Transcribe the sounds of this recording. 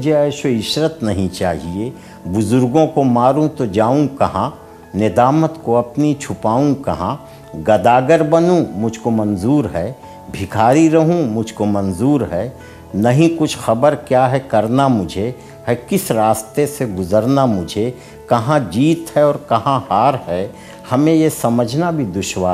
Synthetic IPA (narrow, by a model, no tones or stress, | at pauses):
ʊd͡ʒʱeɛːʃoɪʃɾət̪nɐɦĩt͡ʃaːɦie | bʊzʊɾɡõkomaːɾũt̪od͡ʒaːũkɐɦã | nɪd̪aːmət̪koɐpnit͡ʃʰʊpaːũkɐɦãː | ɡɐd̪aːɡəɾbɐnũmʊd͡ʒʱkomɐnzuːɾɦɛː | bʱɪkʰaːɾiɾɐɦũmʊd͡ʒʱkomɐ̃nzuːɾɦɛː | nɐɦĩkʊt͡ʃʰxɐbəɾkjaːɦɛkɐɾnamʊd͡ʒʱe | ɦɛkɪsɾaːst̪eseɡʊzəɾnamʊd͡ʒʱe | kɐɦãd͡ʒiːt̪hɛɔːɾkɐɦãhaːɾɦɛː | hɐmẽjesɐməd͡ʒʱnabʱid̪ʊʃwaː